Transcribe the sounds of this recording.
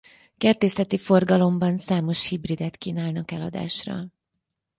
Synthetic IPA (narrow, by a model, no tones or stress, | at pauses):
kɛrt̪eːsɛt̪ifo̞rɡɒlo̞mbɒnsaːmo̞ʃhibrid̪ɛt̪kiːnaːlnɒkɛlɒd̪a̰ːʃrɒ̰